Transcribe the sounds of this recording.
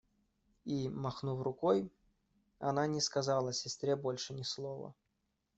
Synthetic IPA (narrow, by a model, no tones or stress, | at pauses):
imɐxnuvrʊkoj | ɐ̰nanʲɪskɐzalˠəɐsʲɪst̪ɾʲebolʲʂɨnʲɪslˠovə̰